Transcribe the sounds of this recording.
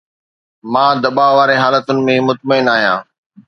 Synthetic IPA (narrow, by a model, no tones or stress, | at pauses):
mãːd̪ɐbaʋaːɾeɦaːlət̪ʊnɪ̆mẽmʊt̪məɪnaːɦijã̰ː